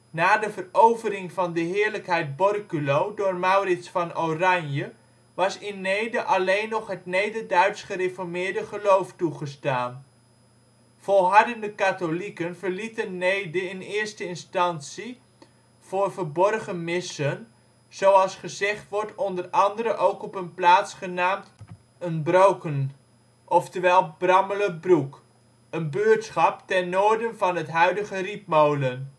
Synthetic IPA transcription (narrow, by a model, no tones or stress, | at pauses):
naːdəvərowvərɪŋvɑndəɦɪːɹləkɦɛjt̚bɔrkylowdʊːrmawrɪsfɑnowrɑnjə | ʋɑsɪnːejdəʔɑlejnːɔχɦətnejdədœɥtsχərefɔɹmɪːɹdəχəlowftuχəstaːn | fɔlˠɦɑɹdəndəkatolikənvərlitənːejdəɪnɪːɹstəɪnstɑnsi | v̥oːrvəɹbɔrχəmɪsən | z̥owɑlˠsχəzɛχtʋɔɹtɔndərɑndəɾəʔowkɔpənplaːtsχənaːmt | ənbrowkən | ʔɔftəʋɛlˠbrɑmələbruk | ənbøːɹtsχɑptɛnːoːɹdənvɑnɦətɦœɥdəχərip̚mowlən